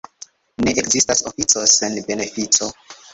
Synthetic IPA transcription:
neʔekzistasofit͡so̞senbe̞ne̞fit͡so̞

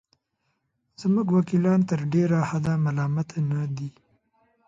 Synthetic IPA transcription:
z̥muɡwakilɑnt̪əɾɖeɾahad̪amalɑmat̪nad̪i

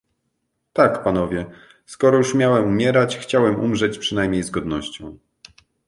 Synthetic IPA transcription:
t̪akpanɔvʲjɛ | skɔɾɔjuʂmʲjawɛmumʲjɛɾat͡ɕxt͡ɕawɛmṵmʐɛt͡ɕpʂɘnajmʲɲejzɡɔd̪nɔɕt͡ɕɔ̃w̃

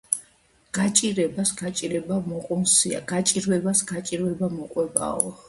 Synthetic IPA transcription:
ɡ̥at͡ʃʼiɾɛbasɡat͡ʃʼiɾɛbamɔqʼunsia̰ɡ̥at͡ʃʼiɾwɛbasɡat͡ʃʼiɾwɛbamɔqʼwɛba̰ɔ

